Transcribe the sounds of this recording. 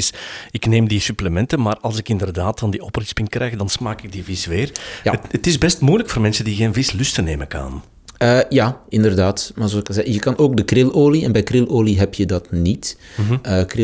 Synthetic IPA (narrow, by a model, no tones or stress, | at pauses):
sɪkneːmdisypləmɛntənmaːrɑlˠsɪkɪndərdaːtdɑndiɔprɪspɪnkrɛjɣdɑnsmaːkɪɡ̚divisʋeːrja̰ətɪzbɛstmujləkfoːrmɛnsəndiɣeːnvɪslʏstəneːməkɑ̰n | əːjaːɪndərdaːtmaːrzoːɑsɪkəzɛɣəjəkɑnoːɡ̚dəkrɪloːliɛnbɛjkrɪloːliɦɛpjədɑtnitəːkrɪ